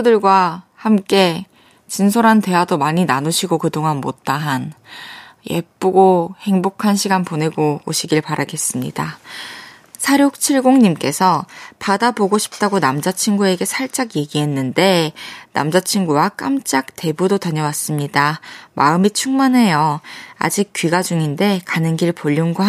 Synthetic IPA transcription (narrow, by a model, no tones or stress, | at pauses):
dɯɭɡwahamk͈e̞ | t͡ɕinsʰoɾɦante̞wadomaɲinanuɕʰiɡokɯdoŋanmot̚t͈aɦan | je̞̰p͈uɡohe̞ŋbokʰanɕʰiɡanpone̞ɡooɕʰiɡiɭpaɾaɡe̞s͈ɯmɲḭda | sʰaɾjok̚t͡ɕʰiɭɡoŋɲimk͈e̞sʰʌpadaboɡoɕʰi̥p̚t͈aɡonamd͡ʑat͡ɕʰiŋɡue̞ɡe̞sʰaɭt͡ɕ͈aɡje̞ɡiɦe̞nːɯnde̞na̰md͡ʑat͡ɕʰiŋɡuwak͈amt͡ɕ͈ak̚te̞budotaɲʌwas͈ɯmɲidamaɯmit͡ɕʰuŋmanɦe̞jʌa̰d͡ʑik͈̚ːɥiɡad͡ʑuŋinde̞kanɯnɡiɭpoʎːunɡo